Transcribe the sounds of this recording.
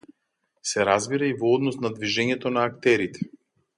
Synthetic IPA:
sɛɾazbiɾaivɔɔd̪nɔsnad̪viʒɛɲɛt̪ɔnaːkt̪ɛɾit̪ɛ̥

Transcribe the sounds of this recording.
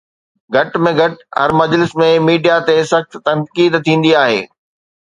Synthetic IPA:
ɡʱɐʈmẽɡʱɐʈɦɐ̰ɾmɐd͡ʑlɪsmẽmiːɖijat̪esɐxt̪t̪ɐnkiːd̪t̪ʰĩːn̆d̪iaːɦḛː

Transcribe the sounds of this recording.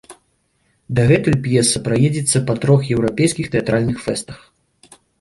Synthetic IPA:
d̪ɐɣɛt̪ujʲpjɛsɨpɾajɛd͡zʲɛt̪sːɐpɐt̪ɾɔxjɛwɾapʲejskʲixt̪ɛat̪ɾalʲnɨxfɛst̪ɐx

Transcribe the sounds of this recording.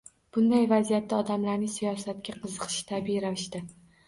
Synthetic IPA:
b̥ʊnd̪ajvazijat̪ːaɒd̪amlaɾnɪŋsijɒsat̪̚kʲaqʰɨzɨqʰɨ̥ʃt̪ʰabiɾavɪʃt̪ɪ

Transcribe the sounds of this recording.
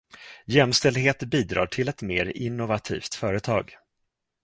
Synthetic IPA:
jɛmst̪ɛld̪ɦeːt̪biːd̪ɾɑ̰ːʈʰɪlɛt̪meːɾɪnːʊvat̪ʰḭːft̪fœːɾət̪ʰɑːɡ

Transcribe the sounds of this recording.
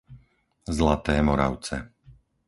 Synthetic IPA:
zlat̪ɛːmɔɾa̰ʊt͡sɛ

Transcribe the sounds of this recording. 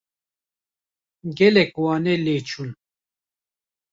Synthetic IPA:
ɡɛlɛkwɑːnɛlet͡ʃʰun

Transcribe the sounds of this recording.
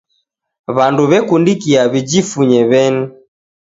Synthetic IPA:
βanduβɛkundikiaβid͡ʒifuɲɛβɛni

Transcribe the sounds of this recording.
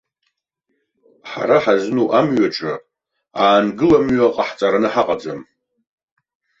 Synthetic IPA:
ħa̰ɾaħaznuʔamɥaʈ͡ʂʼɨ | aːnɡɨlamɥaqʼaħt͡sʼaɾanɨħaqʼad͡zam

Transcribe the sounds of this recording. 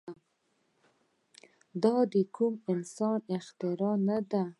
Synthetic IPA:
d̪ɑd̪əkʰumɪnsɑnɪxt̪ɪɾɑnad̪a

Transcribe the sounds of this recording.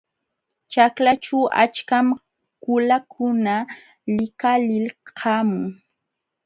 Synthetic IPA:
t͡ʃaklat͡ʃaʔa̰t͡ʃkam | kʊlakʰʊna | lɪkalɪlhʰamʊŋ

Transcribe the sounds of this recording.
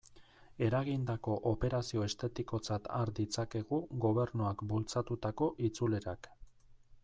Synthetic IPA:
e̞ɾaɣind̪ako̞ʔope̞ɾasio̞e̞st̪e̞t̪iko̞t͡sat̪aɾd̪it͡sake̞ɣuɣo̞β̞e̞ɾnuakbult͡sat̪ut̪ako̞ʔit͡sule̞ɾak

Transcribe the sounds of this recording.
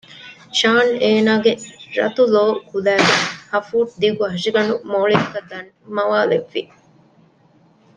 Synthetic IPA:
ʃaːneːnaːɡeɾɐ̰t̪uloːkulæːɡehɐfuːʈ̚d̪iɡuɦɐʂiɡɐnumoːɭikɐd̪aːn | mɐʋaːleʋːi

